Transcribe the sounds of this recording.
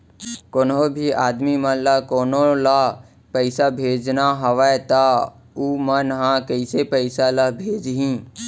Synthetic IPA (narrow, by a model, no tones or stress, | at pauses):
koːnobʱiaːd̪mimənlakoːnola | pəɪsabʱeːd͡ʒnaɦɐʋat̪a | uːmənɦãkəɪsepəɪsalabʱeːd͡ʒɦĩ